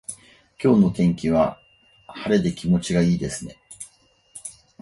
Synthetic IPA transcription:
kʲo̞ːno̞t̪ẽ̞ŋkʲiβa | haɾe̞d̪e̞kʲimo̞t͡ɕiɡaiːd̪e̞sɨne̞

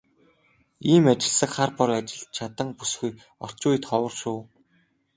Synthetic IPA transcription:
iːmat͡ɕɪ̆ɮsə̆kχarpɔrat͡ɕɪ̆ɮt̪̚t͡ɕʰat̪ə̆ŋpusxɡuj | ɔr̥t͡ɕʊːj̆t̪χɔwə̆rʃuː

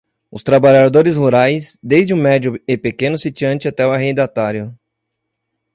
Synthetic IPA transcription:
ʊst̪ɾabaʎad̪oɾɪshuɾajsd̪ejzd͡ʒɪũmɛd͡ʒʊɪpekẽnʊsit͡ʃiɐ̃nt͡ʃɪat̪ɛʊaɦẽj̃d̪at̪aɾjʊ

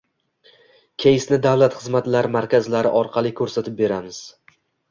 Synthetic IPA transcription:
kʲʰejɪsnɪd̪avlˠat̪χɨzmat̪laɾmaɾkʲazlaɾɪ̰ʔɒɾqʰɑlˠɪkʲʰɵɾsat̪ʰɪp̚be̞ɾamɪz̥

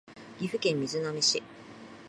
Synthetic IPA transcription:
ɡʲiɸɯ̟kẽ̞mːʲizɨnomʲiɕi

